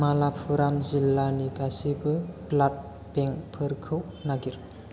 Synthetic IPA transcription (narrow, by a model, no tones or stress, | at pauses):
malapʰuɾamzilːaniɡasibɯplat̚ | beŋpʰɯɾkʰɯwnaɡiɾ